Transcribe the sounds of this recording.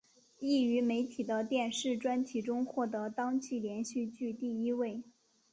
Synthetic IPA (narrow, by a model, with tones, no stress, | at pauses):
i˥˩y˧˥me˧˥ɪt̪ʰi˨˩d̪ə˦t̪jɛ˥˧nʂɻ̩˥˩ʈ͡ʂwa˥nt͡ɕʰi˧˥ʈ͡ʂʊ˥ŋxwɔ˥˩t̪ɤ˧˥t̪ɑ˥ŋt͡ɕʰi˥˩ljɛ˧˥nɕy˥˧t͡ɕy˥˧t̪i˥˩i˥we˥˩ɪ